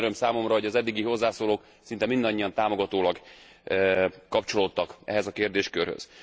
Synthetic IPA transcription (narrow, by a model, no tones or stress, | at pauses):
ɾø̞msaːmo̞mrɒɦo̞ɟɒzɛd̪ːiɡiɦo̞zːaːsoːloːk | sin̪t̪ɛmind̪ɒɲːiɒnt̪aːmo̞ɡɒt̪oːlɒɡ | kɒpt͡ʃo̞lo̞t̪ːɒkɛ̰ɦɛzɒkeːrd̪eːʃkø̰rhø̰z̥